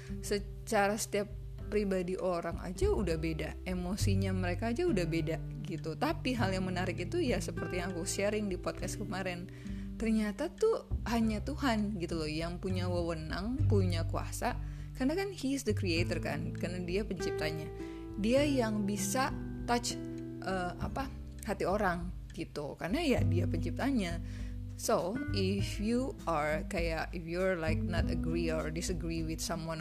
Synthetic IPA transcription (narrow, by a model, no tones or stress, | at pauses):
sə | t͡ʃaɾasə̥t̪iapː | ɾibadiʔoɾaŋa̰d͡ʒaudahbeda | emosiɲaməɾekaːd͡ʒaudahbeda | ɡit̪ut̪apiɦaljaŋmənaɾɪkit̪ujasəpərt̪ijaŋkusəɾɪŋdipɔt̪̚kas̚kəmaɾɛn | t̪ərɲat̪at̪uhaɲat̪uɦanɡit̪ulɔjaŋpuɲawəwənaŋpuɲakua̰sa | kanakanhisd̪əkɾiet̪ərka̰nkarnadiapəɲt͡ʃip̚t̪aɲa | diajaŋbisa | t̪at͡ʃ | ʔəa̰pa | hat̪ioɾaŋ | ɡ̥it̪ukarnajadiapəɲt͡ʃip̚t̪aɲa | soɪfjuaɹkajaʔɪfjuɹlajk̚nɔt̪əɡɾiɔɹdɪsəɡɾiwɪθsamwan